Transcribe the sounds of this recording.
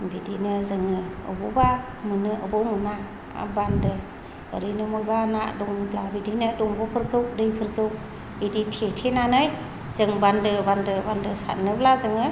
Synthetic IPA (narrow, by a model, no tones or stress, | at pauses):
bidinɯzɯŋɯɯ̰bɔba | mɯnɯʔɯbɔmɯna | a̰bandɯ̰ː | ɾinɯmɔjbanadɔŋnɯblabidinɯdɔŋbɔpʰɯɾkʰɯwdɯjpʰɯɾkʰɯw | iditʰetʰenanɯj | z̥ɯŋbandɯbandɯbandɯsa̰t̚nɯblazɯŋɯ